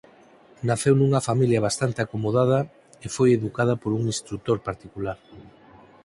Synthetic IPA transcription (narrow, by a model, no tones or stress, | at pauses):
naθewnuŋɐfamiljɐβ̞ast̪ant̪eakomoð̞að̞ɐ | efojeðukað̞ɐpoɾuŋĩst̪ɾut̪oɾpaɾt̪ikulaɾ